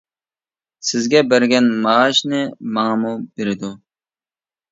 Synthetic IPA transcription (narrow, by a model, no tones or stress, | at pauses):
sɪzɡʲɛbæɾɡʲɛnmɑːʃnɪmɑŋɑmubeɾɪd̪u